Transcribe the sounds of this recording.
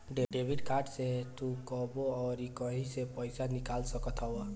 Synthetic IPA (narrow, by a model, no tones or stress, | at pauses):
ɖeɖeːbɪɖkaːʈset̪ukɔboɔːɾikəɦĩsepəɪsanɪkaːlsəkət̪ʰɦɔwa